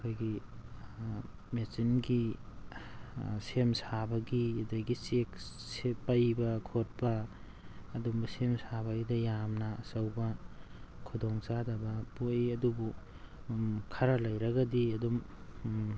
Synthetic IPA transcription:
ɐkʰojɡi | mesinɡi | semsabɐɡiɐdɐjɡiseksepɐjbɐkʰot̚bɐː | dumbɐsemsabɐɡidɐjamnɐːsɐwbɐ | kʰudɔŋt͡ʃadɐbɐpojɐdubu | kʰaɾɐlɐjɾɐɡɐdiɐdum

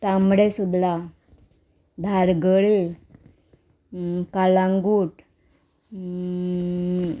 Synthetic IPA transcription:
t̪ambɽesud̪la | d̪ʱaɾɡəɭe | kalãŋɡuːʈ

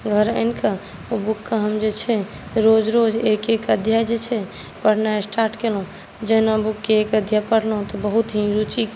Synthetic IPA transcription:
ɡʱəɾənka | obukːaɦəmd͡ʒet͡ʃʰɛ | ɾod͡ʒɾod͡ʒekekəd̪ʱjad͡ʒet͡ʃʰɛ | pəɽ̤naesʈaɾʈkelɦũ | d͡ʒənabukːeekəd̪ʱjapəɽlɦũt̪ɔbəɦut̪ɦĩɾut͡ʃik

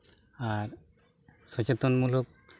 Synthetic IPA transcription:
aɾ | sɔt͡ɕet̪onmulok̚

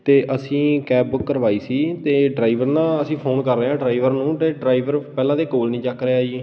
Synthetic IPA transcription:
t̪eːʔəsĩːkɛːp̚bʊkːəɾʋaːiːsiːt̪eːɖɾaːiʋəɾnãːəsĩːpʰoːnkəɾːeːãːɖɾaːiʋəɾnũːeːɖɾaːiʋəɾpɛːlãːd̪eːkoːlnĩːt͡ʃəkɾeːaːiː

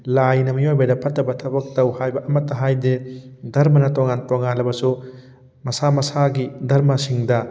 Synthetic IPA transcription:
lajnɐmijojbɐdɐpʰɐtːɐbɐtʰɐbɐk̚tɐwhajbɐʔɐmɐtːɐɦajdedɐɾmɐnɐtoŋantoŋanlɐbɐsu | mɐsamɐsaɡidɐɾmɐsiŋdɐ

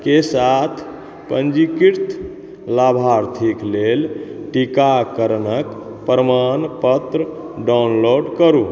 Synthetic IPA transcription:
kesat̪ʰ | pənd͡ʒikiɾt̪ʰ | labʱaɾt̪ʰiklelʈikakəɾənək | pɾəmanpət̪ɾə | ɖawnloɖkəɾu

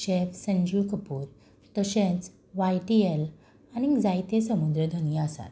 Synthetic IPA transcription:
ɕefsə̃ɲd͡ʑukəpuːɾ | t̪əɕẽt͡s | ʋajʈiel | añid͡zajt̪esəmud̪ɾəd̪ʱəñijəəsa̰t̪

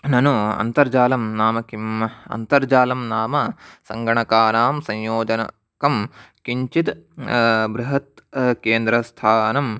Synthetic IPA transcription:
nɐnuɐ̰nt̪ɐɾd͡ʒaːlɐmnaːmɐkimɐ̰nt̪ɐɾd͡ʒaːlɐmnaːmɐsɐ̰ŋɡɐɳɐkaːnaːmsɐ̃ɲjoːd͡ʒɐnɐ̰ | kɐmkiɲt͡ʃit̪ | bɾuɦɐt̪̚keːnd̪ɾɐst̪ʰaːnɐm

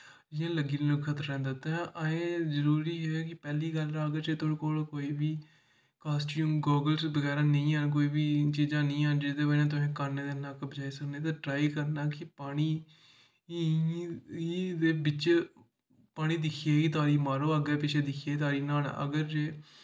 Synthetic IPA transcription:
d͡ʒɪjãːləɡiːnːloːkkʰət̪əɾːɛ̃ːnd̪at̪ãːʔəẽːzəɾuːɾiːɦɛːkɪpɛːliːɡəlaəɡəɾd͡ʒeːt̪oːɽkoːlkoːiːbiː | kaːsʈũmɡɔːɡəlsbəɡɛːɾãːnəĩːaːnk̬oːiːbiːt͡ʃiːd͡ʒãːnəĩːaːnd͡ʒeːd̪eːbənãːt̪̬ʊsẽːkəɾneːd̪eːnãːkbəd͡ʒaːisəkneːt̪̬ãːʈɾaːiːkəɾnaːkɪpaːɽ̃iː | id̪eːbɪt͡ʃ | paːɽ̃iːd̪ɪkʰieːiːt̪aːɾiːmaːɾoːəɡɛːpɪt͡ʃʰeːd̪ɪkʰieːt̪aːɾiːnaːn̰ːə̰ɡəɾd͡ʒeː

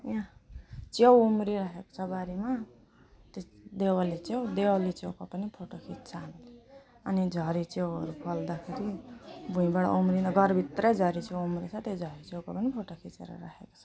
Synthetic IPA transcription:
jãt͡sewumɾiɾaɦeko̥t͡sʰʌɡaɾima | t̪ed̪ewʌlit͡sewd̪ewʌlit͡sewkapʌnipʰoʈokʰitt͡sʰanle | ʌnid͡zʱʌɾit͡sewʌɾukʰʌld̪akʰeɾibʱũĩbaɽa̰umrinaɡʌrbʱit̪rʌjd͡zʱʌɾit͡sewumɾit͡sʰʌt̪ed͡zʱʌɾit͡sewkapʌnipʰoʈokʰit͡sḛɾʌ̰ɾaɦeko̥t͡sʰʌ̥

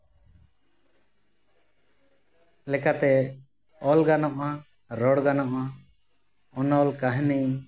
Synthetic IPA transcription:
lɛkat̪ɛ | ɔlɡanɔʔa | ɾɔɽɡanɔʔa | ɔnɔlkaɦnɛ

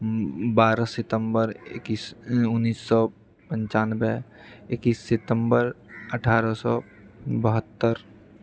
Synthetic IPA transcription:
baːɾəsɪt̪ə̃mbəɾkisʊnːiːsːɔ | pə̃nt͡ʃaːnbɛɪkiːsːɪt̪ə̃mbəɾəʈʰaːɾəsɔ | bəɦət̪ːəɾ

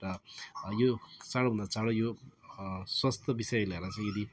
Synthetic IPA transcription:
ɾʌjot͡saɽobʱund̪at͡saɽojo | swʌst̪ʌbisʌjlʌeɾʌt͡sãj̃jed̪i

